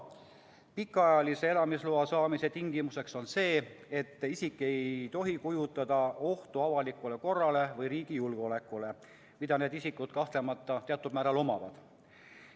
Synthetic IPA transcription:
pikːˑɑjɑlise̞e̞lɑmisloɑsɑːmise̞t̪iŋɡ̥imuse̞kso̞nse̞ːe̞t̪ːisikːˑe̞jjt̪o̞ɦikujut̪ːˑɑd̪̥ɑoht̪uɑvɑlikːˑule̞ko̞rːɑle̞vɤjɾiːɡ̥ijulɡ̥eo̞le̞kːˑule | mid̪̥ɑne̞ːd̪isikːud̪̥̚kɑht̪le̞mɑt̪ːˑɑt̪eɑt̪ːˑud̪mæːɾɑlo̞mɑvɑ̰d̪̥

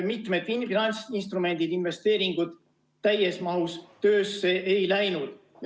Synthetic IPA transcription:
mit̪med̪̥ifinɑnʲsinst̪ɾume̞nd̪̥id̪̥inve̞st̪e̞ːɾiŋɡ̥ut̪ː | æjesmɑhust̪ø̞ːsːeʔejlæjnud̪̥ | j

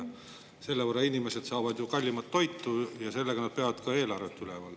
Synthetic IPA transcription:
se̞lːeporːɑinʲimese̞d̪̥sɑːvɑd̪jukɑlʲːimɑt̪ːo̞jt̪ːujɑse̞lːeɡ̥ɑnɑd̪̥̚peɑvɑd̪̥kɑe̞ːlɑrvet̪ːˑylevɑl

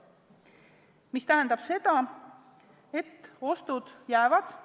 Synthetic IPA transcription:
mist̪æɦænd̪̥ɑb̥se̞d̪̥ɑ | e̞t̪ːo̞st̪ud̪̥jæevɑd̪̥

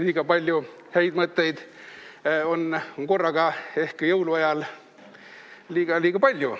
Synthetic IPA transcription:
lʲiːɡ̥ɑpɑlʲju | hæjd̪̥mɤt̪ːe̞jd̪̥ | o̞nŋko̞rːɑɡ̥ɑe̞hkjɤwluɑjɑl | liːɡ̥ɑlʲiːɡ̥ɑpɑlʲju

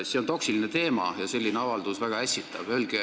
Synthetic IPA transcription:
seo̞nt̪o̞ksiline̞t̪e̞ːmɑ̰jɑse̞lʲːineɑvɑld̪usvæɡ̥ɑæsʲːit̪ːˑɑb̥ølɡe

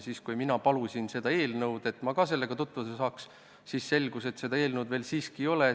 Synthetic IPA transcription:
siːskujminɑpɑlusʲinse̞d̪̥ɑe̞ːlnɤwd̪̥e̞t̪ˑmɑkɑse̞lːe̞ɡ̥ɑt̪ut̪ːˑvusesɑːks | siːsse̞lɡ̥use̞t̪se̞d̪ɑe̞ːlnɤwd̪ve̞ːlsiːskio̞le

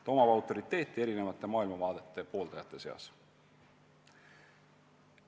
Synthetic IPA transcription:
t̪o̞mɑvɑwt̪ːˑo̞ɾit̪ːˑe̞ːt̪ːˑie̞ɾine̞vɑt̪ˑːe̞mɑːilmɑvɑːd̪e̞t̪ːe̞po̞ːlt̪ɑjɑt̪ːˑe̞se̞ɑ̰s

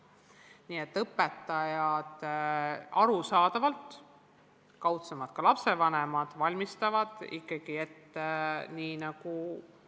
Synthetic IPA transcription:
niːet̪ːɤpːˑe̞t̪ːɑjɑd̪̥ | ɑɾusɑːd̪ɑvɑlt̪ | kɑwt̪semɑt̪kɑlɑpse̞vɑne̞mɑd̪̥vɑlʲmist̪ɑvɑd̪̥ḭkːˑɑɡ̥ie̞t̪ːeniːnɑɡ̥u

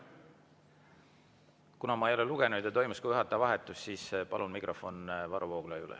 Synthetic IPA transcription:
kunɑmɑejo̞leluɡ̥e̞nud̪jɑt̪o̞jmuskɑjyɦɑt̪ːˑɑvɑɦet̪ːˑusːiːspɑlʔunmikro̞fo̞nvɑɾuvoːɡ̥lɑjṵlɛ̰

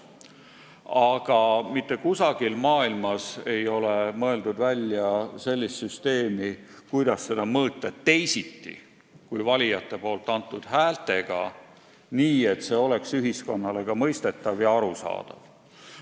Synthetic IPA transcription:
ɑɡ̥ɑmit̪ːe̞kusɑɡ̥ilmɑːilmɑse̞jo̞le̞mɤe̞ld̪ud̪vælʲːjɑse̞lʲːist̪syst̪e̞ːmi | kujd̪̥ɑsːe̞d̪ɑmɤːt̪ːˑɑt̪ːe̞jsit̪ːḭ | kujvɑlʲijɑt̪ːe̞po̞ːlt̪ːˑɑnt̪ːˑud̪̥hæːlt̪e̞ɡ̥ɑ̰ | niːe̞t̪se̞ːo̞le̞ksyɦisko̞nːɑle̞ɡ̥ɑmɤ̞jst̪e̞t̪ːˑɑvjɑɑɾusɑ̰ːd̪̥ɑ̰v̥

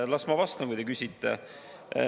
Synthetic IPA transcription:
lɑsmɑvɑst̪ɑkujt̪ekysʲit̪ːˑḛ

